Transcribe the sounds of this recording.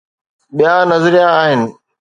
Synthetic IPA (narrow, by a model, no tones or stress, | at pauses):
ɓijãnɐzɾijãːɦɪnɪ̆